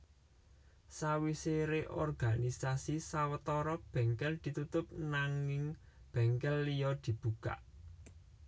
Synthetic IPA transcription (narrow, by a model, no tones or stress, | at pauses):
sawiseɾeʔɔrɡ̥a̤nisasisawət̪ɔɾɔb̥ɛ̤ŋkɛld̪̥i̤t̪ut̪ʊp̚naŋɪŋ | b̥ɛ̤ŋkɛlːijɔd̪̥i̤b̥ṳka̰ʔ